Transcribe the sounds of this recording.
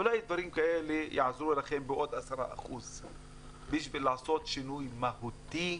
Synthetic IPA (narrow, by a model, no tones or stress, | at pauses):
ʔʊlajd̪vaɾiːmkaʔelejaʕzɾuelaxembɪʔod̪ʔasɑɾˤɑ̰ʔa̰xṵz | biʃbelaʕsot̪ʃɪnujmahut̪i